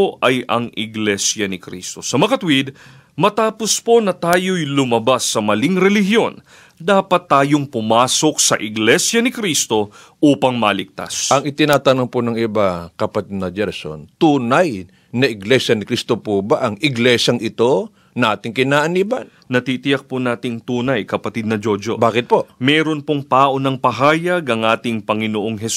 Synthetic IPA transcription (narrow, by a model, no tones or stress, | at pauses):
oʔɐjɐ̰ŋɪɡlɛsjɐnɪkɾḭst̪o̞sɐmɐkɐt̪wid̪̚ | mɐt̪aːpo̞spo̞nɐt̪aːjo̞jlʊmɐbasːɐmɐliŋɾɛlɪhjo̞n | d̪aːpɐt̪ːaːjoŋpʊmaːso̞k̚sɐ̰ʔɪɡlɛsjɐnɪkɾist̪o̞ | ʔuːpɐŋmalɪk̚t̪a̰sʔɐŋɪt̪ɪnaːt̪ɐnoŋponɐŋɪbakɐpɐt̪id̪nɐd͡ʒɛɾɐso̰nt̪uːnɐj | nɐʔɪɡlɛsjɐnɪkɾist̪opuːbaʔɐŋɪɡlɛʃjɐŋʔɪt̪o̞ | nɐʔaːt̪ɪŋkɪnaːʔɐniːbɐn | nɐt̪iːt̪ɪjɐk̚punaːt̪ɪŋt̪uːnɐjkɐpɐt̪id̪nɐd͡ʒod͡ʒo̰baːkɪt̪̚poʔmɛːɾo̞npoŋt̪aːʔo̞nɐŋpɐɦaːjɐɡɐŋʔaːt̪ɪŋpɐŋɪnoʔoŋɦɛs